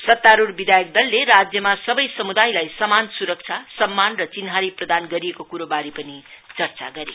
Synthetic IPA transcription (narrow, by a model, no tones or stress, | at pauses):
sʌt̪ːaɾurbid̪ʱajʌk̚d̪ʌlːeɾad͡zjʌmasʌbʌjsʌmud̪ajlajsʌmansuɾʌk̚t͡sʰasʌmːanrʌt͡sinɦaɾiprʌd̪anɡʌɾijekokuɾobaɾipʌnit͡sʌrt͡sa̰ɡʌɾe